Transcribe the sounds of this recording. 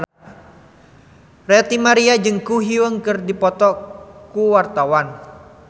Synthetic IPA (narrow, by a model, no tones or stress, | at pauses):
rɛt̪imaɾiad͡ʒɨŋkuɦiwəŋkərdipɔt̪ɔkuwart̪awan